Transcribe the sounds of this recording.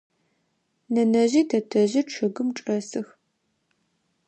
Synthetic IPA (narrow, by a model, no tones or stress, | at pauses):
nɐnɐʑiːtʰɐtʰɐʑɪʈ͡ʂʰɨɣɨmʈ͡ʂʼɐsɨx